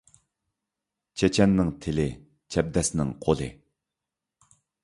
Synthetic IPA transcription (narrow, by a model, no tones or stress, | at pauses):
t͡ɕʰet͡ɕʰanːaŋt̪ʰele | t͡ɕʰap̚d̪asnaŋqolḛ